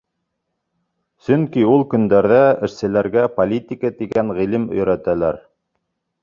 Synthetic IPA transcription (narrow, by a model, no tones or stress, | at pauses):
sɵŋkiulˠkɵ̆nd̪æɾðæɘ̆ʃsɘ̆læɾɡæpolʲit̪ʲikət̪iɡæŋʁilɘmɵ̰̆jɾæt̪ælæɾ